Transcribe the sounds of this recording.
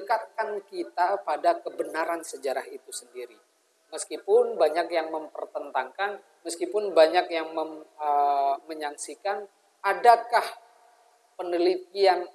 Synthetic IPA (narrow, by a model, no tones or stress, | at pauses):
əkat̪̚kankit̪apadakəbənaɾansəd͡ʒaɾahit̪usəndiɾi | məskipʊnbaɲakjaŋməmpərt̪ənt̪aŋkan | məskipʊnbaɲakjaŋməməməɲaŋsikan | adakah | pənəlit̪̚ian